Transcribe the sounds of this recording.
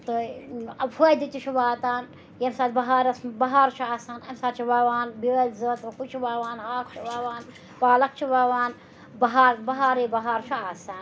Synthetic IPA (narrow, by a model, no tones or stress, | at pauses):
t̪ɨɐpʰud̪it̪ʲit͡ʃʰiʋaːt̪aːn | jɐmsaːt̪bɐɦaːɾɐsmbɐɦaːɾt͡ʃʰuaːsaːnɐmsaːt͡ʃʰiʋaːʋaːnbiʋɐlʲzɐt̪kut͡ʃʰiʋaːʋaːnhaːkʰt͡ʃʰiʋaːʋaːn | paːlɐk̚t͡ʃʰiʋaːʋaːn | bɐɦaːɾbɐɦaːɾeːbɐɦaːɾt͡ʃʰuaːsaːn